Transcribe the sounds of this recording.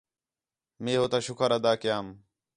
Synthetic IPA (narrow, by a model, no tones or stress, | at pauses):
mẽːɦoːt̪aːʃʊkʰəɾəd̪aːkɪjaːm